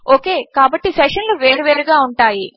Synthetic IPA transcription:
oːke̞ːkaːbɐʈːiseʂɐnluʋeːɾɐʋeːɾuɡaːuɳʈaːji

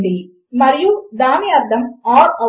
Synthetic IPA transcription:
ɖi | mɐɾɪjud̪aːmiɐɾd̪ɐmaːɾɐ

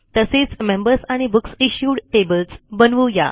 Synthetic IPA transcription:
t̪əset͡smembəɾsaɽ̃ibuksiɕjuɽʈebəlsbənʋuja̰

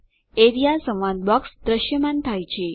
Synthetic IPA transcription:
eɾijasə̃ʋʋand̪̚bɔksd̪ɾəʃjəmant̪ʰajt͡ʃʰe

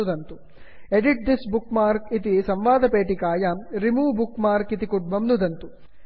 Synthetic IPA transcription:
d̪ɐnt̪u | eɖiʈ̚d̪isbukmaːɾkit̪̬isɐmʋaːd̪ɐpeːʈikaːjɐɾimuːbukmaːɾkit̪ikuʈ̚bɐmnud̪ɐnt̪u

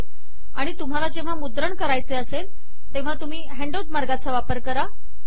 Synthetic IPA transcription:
aɽ̃it̪um̤alad͡ʑeʋ̤amud̪ɾəɳkəɾajt͡seəsel | t̪ẽʋ̤at̪um̤iːɦeɳɖoɖmaɾɡat͡saʋapəɾkəɾa

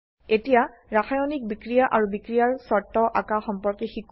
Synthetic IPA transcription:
etijaɹaxajɔnik̚bikɹijaʔaɹubikɹijaɹsɔtːɔʔakaxɔmpɔɹkɛxik

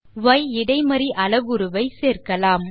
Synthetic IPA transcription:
ʋɐjɪɽɐɪmɐɾiʔɐlɐɣɯɾɯʋɐɪseːrkɐlaːm

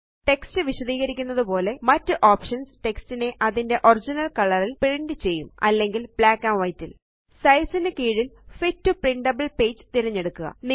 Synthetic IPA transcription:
ʈe̞kstɨʋiɕɐðiːɣɐɾikʲːunːɐðupo̞ːle̞mɐtːɨʔoːpʂɐnsʈe̞kstine̞ʔɐðinde̞ʔo̞rd͡ʑinɐlkɐɭɐrilpiɻiɳɖit͡ɕe̞jːumɐ̰lːe̞ŋɡilb̥ɭaːkːaʋɐjtːḭl | sɐjsɐnɨkiːɻilfitːupriɳɖɐbɐlpe̞ːd͡ʑɨ̥t̪iɾɐɲːe̞ɽukːuɣɐ̰n

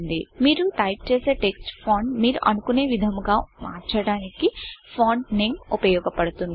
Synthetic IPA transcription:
nd̪imiːɾut̪ɐjp̚t͡ʃeːse̞ːʈeksʈpʰoːɳmiːɾuʔɐnukune̞ːʋid̪ʱɐmɡaːmaːɾt͡ʃɐɽaːnikipʰoːɳneːmupɐjɔːɡɐpɐɽut̪un

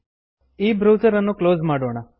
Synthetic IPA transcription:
iːbɾoːzəɾənːũklozmaɽoɳ̃a

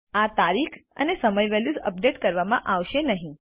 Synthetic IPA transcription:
at̪aɾikʰə̰nesəməjʋɛljud͡zə̰p̚ɖeʈkəɾʋamã̰ʔaʋʃenəɦĩ

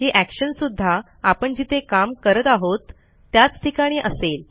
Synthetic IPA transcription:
ɦeʔækɕənsud̪ʱːa | apəɳd͡ʑit̪ʰekamkəɾət̪aɦot̪ː | jat͡sʈ̪ʰikaɽ̃iːʔə̰sel

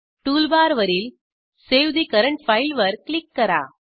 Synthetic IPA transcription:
ʈuːlbaːɾʋɐɾɪl | seːʋd̪ikɐɾɐɳʈfɐɪlʋɐɾkɭɪkːɐɾa̰ː

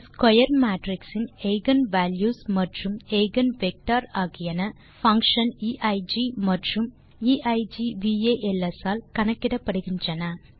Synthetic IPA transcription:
skojɐrmaːʈriksinejɡɐnʋaːljuːsmɐʈrumejɡɐnʋek̚ʈaːɾaːɣijɐnɐ | fɐŋkʂɐniʔɐjd͡ʑimɐʈrum | iʔɐjd͡ʒiʋieːʔelesaːlkɐɳɐkːiɽɐpːɐɽiɣiɲt͡ʃɐnɐ

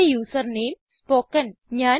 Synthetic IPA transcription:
ejuːsəɾnẽːm | spoːkə̃nɲaː

